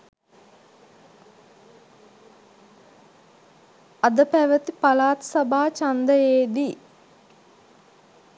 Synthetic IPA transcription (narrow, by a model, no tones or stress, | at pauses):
ad̪əpæʋət̪ipalaːt̪sabaːt͡ʃand̪əjeːd̪i